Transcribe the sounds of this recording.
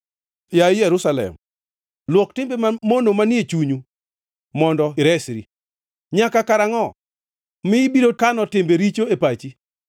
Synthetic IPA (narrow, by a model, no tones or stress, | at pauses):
jaɪjɛɾusalɛ̰m | lwɔktɪmbemamonomanjet͡ʃuɲu | mɔndɔɪɾɛsɾi | ɲakakaɾaŋɔ | mɪbiɾokanɔtɪmbeɾit͡ʃoepat͡ʃi